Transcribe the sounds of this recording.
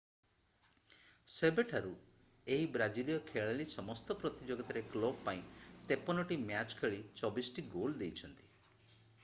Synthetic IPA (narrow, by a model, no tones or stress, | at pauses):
sebeʈʰaɾu | eɦibɾad͡ʒilijɔkʰeɭalisɔmɔst̪ɔpɾɔt̪id͡ʒoɡɔt̪aɾeklɔbpaĩt̪epɔnɔʈimjat͡ʃkʰeɭit͡ʃɔbisʈiɡold̪ejt͡ʃʰɔnt̪i̥